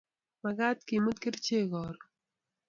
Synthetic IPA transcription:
mɐɡaːt̪kimud̪̚kiɾt͡ɕʰeːɡoːɾ

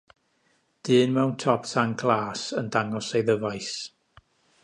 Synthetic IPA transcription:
d̥ɨːnmɛwntʰɔpsaŋkʰlˠaːsəndaŋɔsejðəvajs

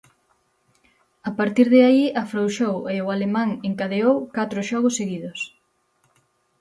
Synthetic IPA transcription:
apaɾt̪iɾðɪaiɐfɾowʃoweʊalemãŋeŋkaðeowkat̪ɾʊʃɔɣʊsːeɣiðʊs

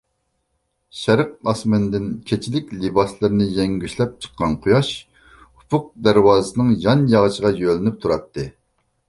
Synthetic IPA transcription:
ʃɛɾəq̚ɑsmɪnd̪ɪnkʲʰet͡ʃʰilɪkʲlɪbɑslˠɨɾɨnɨjɛŋɡʲyʃlɛp̚t͡ʃʰə̥qːɑnqʰujɑʃ | hu̥pʰʊq̚d̪æɾwɑːzɨsɨnɨŋjɑnjɑʁəʃəʁɑjølɪnyp̚t̪ʰuɾɑt̪ʰːɨ

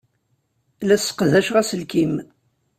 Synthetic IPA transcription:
læsə̥qðæʃʁæsəlkim

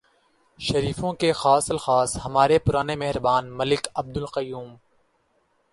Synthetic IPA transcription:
ʃɐɾiːfõkexaːsɐlxaːshɐmaːɾepʊɾaːnemɛɦɪɾbaːnməlɪkɐb̚d̪ʊlqəjuːm

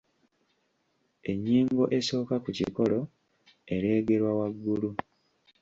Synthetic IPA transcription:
e̞ɲːiːŋɡo̞ʔe̞so̞ːkakucḭko̞lo̞ | e̞ɾeːɡe̞ɾwawaɡːulu

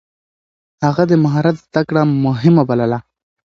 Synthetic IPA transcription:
haɣad̪əmaɦɑɾat̪zd̪̥akɽamʊɦɪmabalala

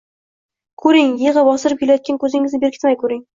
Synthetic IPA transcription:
kʰɵɾɪŋjeʁɨbɒsɪɾɪp̚kʰʲelajɒt̪̚kʲankʰɵzɪŋɪznɪbekʲɪ̥t̪ɪmajkʰɵɾɪŋ

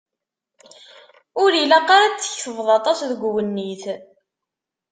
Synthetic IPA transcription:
ʊɾilaqːɑɾɑt͡sːə̥çθəvðˤɑt̪ˤɑsðəɡʷwənːiθ

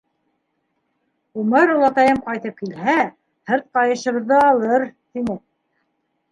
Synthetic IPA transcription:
umɤɾulˠɑt̪ɑjɤmqɑjt̪ɤp̚kilɦæ | hɤɾt̪̚qɑjɤ̆ʃɤ̆βɤ̆ðːɤːlˠɤɾt̪inɘ

